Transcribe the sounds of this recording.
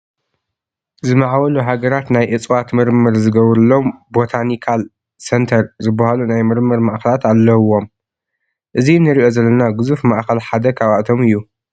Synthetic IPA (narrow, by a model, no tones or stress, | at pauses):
zɨmaʕwɐluɦaɡɐɾat̪najʔɨt͡sʼwat̪mɨɾmɨɾzɨɡɐβɾɨlo̞mbo̞t̪ʰanikʰal | sent̪ʰɐɾzɨbːɐhalunajmɨɾmɨɾmaʔxɐlat̪alːɐwo̞m | ʔɨzinɨɾiʔo̞zɐlːɐnaɡɨzufmaʔxɐlħad̪ɐkʰaβaʔt̪ʰo̞mɨjːu